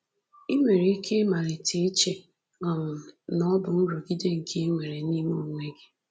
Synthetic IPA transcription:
i˦me˨ɾe˨i˦kʰe˦ma˨ɾɪ˨tʰe˨˦t͡ʃe˨ | ɔ˨mʊ˨nɔ˦bʊ˨n̩˦ɾo˨ɡi˦de˦ŋ̩˨kʰe˦ŋʷe˨ɾe˨ni˦mo˦˨ŋʷe˦ɡɪ˦

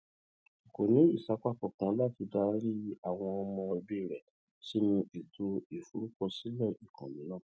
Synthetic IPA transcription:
ko˨nĩ˨˦i˦˨sa˨˦k͡pa˦˨kɔ˨kã˨˦la˦˨ti˧da˧ɾi˦a˦˨w̃ɔ̃˧ɔ˧mɔ̃˧e˧bi˦˨ɾɛ˨ | si˦mĩ˧e˨tʰo˧e˨fu˨˦ɾu˦kɔ˧si˦lɛ˦˨i˨kʰã̰˨nĩ˨˦nã˦˨

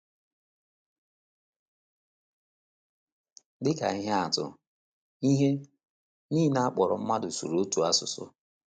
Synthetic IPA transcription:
dɪ˦ka̰˨i˦ɦe˦a˨tʊ̰˨ | i˦ɦe˦ | niː˦na˦a˦k͡pɔ˨ɾɔ˨m̩˦ma˦dʊ˨sṵ˨ɾo˦tu˨a˦sʊ̰˨sʊ̰˦

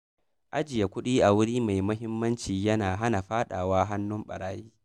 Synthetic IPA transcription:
ʔa˦d͡ʒɪ˨ja˨kʷʊ˦ɗiː˦ʔa˨wʊ˦ɽiː˦ma˨jmʊ˦ɦɪ˦mːɐ˦nt͡ʃiː˨jɐ˦naː˨ɦa˦na˨ɸaː˦ɗa̰ː˨waː˦ɦa˦nːʊ˦mɓɐ̰˨ɽaː˦jiː˦

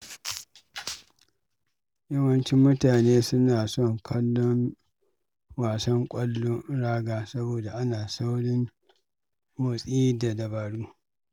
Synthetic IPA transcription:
jɐ˦wɐ˦nt͡ʃi˦mʊ˦taː˨neː˦sʊ˦naː˨sɔ˦˨ŋkʰɐ˦lːɔ˦n | waː˨sɐ˦ŋkʷʼɐ˦lːo˦ɽaː˦ɡaː˨sɐ˦boː˨da˨ʔa˦naː˨sa˦wɽɪ˦ŋ | wɐ˨sʼiː˦da˨dɐ˨baː˨ɽuː˦

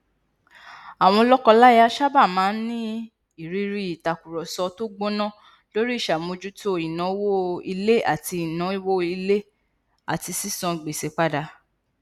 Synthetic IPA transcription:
a˨w̃ɔ̃˧lɔ˦kɔ̃˧la˦ja˧ʃa˦ba˦˨mãː˨˦nĩ˦ | i˨ɾi˧ɾi˦i˨ta˨ku˨ɾɔ˨sɔ˧to˦ɡ͡bo˦nã˦˨ | lo˦ɾi˦i˦˨ʃa˨mo˨˧d͡ʒu˦to˦i˨nã˨˦wo˦i˧le˦ʔa̰˦˨ti˧i˨nã˨˦i˦wo˦i˧le˦ | a˨ti˧si˦sɔ̃˧ɡ͡be˨se˨˦k͡pa˦da˧

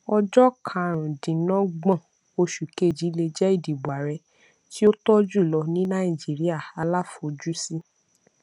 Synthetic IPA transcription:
ɔ˧d͡ʒɔ˦kʰã˨ɾ̃ũ˨dĩ˨˦nɔ̃˦ɡ͡bã˦˨ | o˧ʃu˨ke˦˨d͡ʒi˨˦le˧d͡ʒɛ˦i˦˨di˨ba˨ɾɛ˧ | ti˦o˦tɔ˦d͡ʒu˦˨lɔ˧nĩ˨˦nã˦i˨d͡ʒi˨˦ɾi˦a˦˨a˧la˦˨fo˨d͡ʒu˦si˦

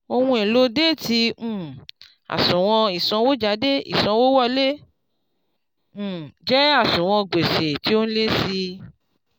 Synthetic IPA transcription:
o˧hũ˧e˨lo˨˦de˦˨tĩ˧˨ | a̰˨sũ˨w̃ɔ̃˧i˨sɔ̃˧wo˦d͡ʒa˨˦de˦ḭ˨sɔ̃˧wo˦wɔ˦˧le˦˨ | d͡ʒɛ˦a˦˨sũ˨w̃ɔ̃˧ɡ͡be˨se˨ti˨˦o˦ñ̩˦le˦si˧

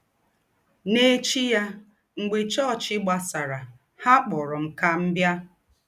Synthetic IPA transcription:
ne˦t͡ʃi˦ja˦ | ŋ̩˨ɡ͡be˨t͡ʃɔ˦˨t͡ʃɪ˦ɡ͡ba˨sa˨ɾa˨ | ha˦k͡pɔ˨ɾɔ˨m̩˨ka˦m̩˦bja˦

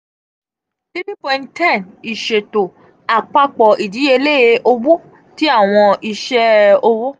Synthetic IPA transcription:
ti˦ti˦pɔ̃˧ĩ˦ttɛ̃˦˨ni˨ʃe˨to˨ | a˨k͡pa˧k͡pɔ˨ʔi˨di˨˦e˧le˦e˧ʔo˧bu˦ | ti˦a˦˨w̃ɔ̃˧i˧ʃɛ˦o˧wo˦

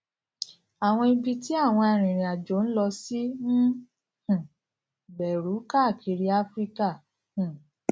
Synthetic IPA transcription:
a˨w̃ɔ̃˧i˧bi˧ti˦a˦˨w̃ɔ̃˧a˨ɾ̃ĩ˨ɾ̃ĩ˨a˨d͡ʒo˨˦n̩˦lɔ˧si˦n̩˦ | hũ˨ | bɛ˨ɾu˨˦ka˦˨kʰi˨˧ɾi˦a˦fɾi˦ka˦˨ | hũ˨

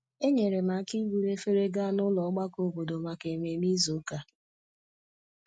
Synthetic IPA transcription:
e˦ɲe˨ɾe˨ma˨˦ki˦ɡʷu˨ɾe˦fe˦ɾe˦ɡa˦nʊ˦lɔ˨˦ɡ͡ba˦ko˦bo˨do˨ma˨ke˨me˨mi˦zo˨˦ka˦

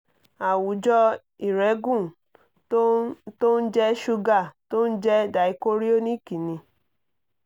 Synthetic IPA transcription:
a˨wu˨˦d͡ʒɔ˦ | i˨ɾɛ˨˦ɡũ˦˨ | to˦n̩˦d͡ʒɛ˦ʃu˧ɡa˦˨to˦n̩˦d͡ʒɛ˦da˨i˨ko˦ɾi˦o˦nĩ˦ki˨nĩ˧

